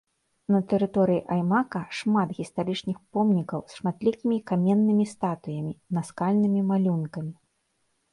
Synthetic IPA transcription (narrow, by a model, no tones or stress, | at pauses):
nɐt̪ɛɾɨt̪ɔɾɨjiʔajmakɐʂmat̪ɣʲist̪aɾɨt͡ʂnʲixpɔmnʲikɐwsʂmat̪lʲikʲimʲikamʲɛnːɨmʲist̪at̪ujɐmʲinaskalʲnɨmʲimalʲunkɐmʲi